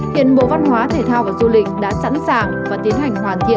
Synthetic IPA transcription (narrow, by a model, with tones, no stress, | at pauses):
hḭ˧˨ənɓo̰˧˨va˧nɦwaː˨˦t̪ʰe˨˩t̪ʰaː˧wvaː˨˩zu˧lï˨˩k̟̚ɗa̰ː˧˥sa̰˧˥nsaː˨˩ŋvaː˨˩t̪i˨˦ənha˨˩jŋ̟hwaː˨˩nt̪ʰḭ˧˨